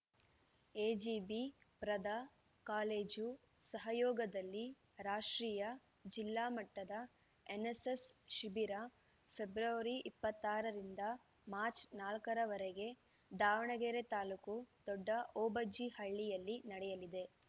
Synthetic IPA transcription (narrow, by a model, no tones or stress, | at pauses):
eːd͡ʒiːbipɾɐd̪a | kaːleːd͡ʒu | sɐɦɐjɔːɡɐd̪ɐlːi | ɾaːʂʈɾiːjɐ | d͡ʒilːaːmɐʈːɐd̪ɐ | enesesʃibiɾɐ | pʰe̞bɾɐʋɐɾiʔipːɐt̪ːaːɾɐɾind̪ɐ | maːɾt͡ʃnaːlkɐɾɐʋɐɾeɡe̞ | d̪aːʋɐɳɐɡeːɾet̪aːlukud̪̥ɔɖːɐʔɔːbɐd͡ʒihɐɭːijɐlːinɐɽɛjɐlid̪e̞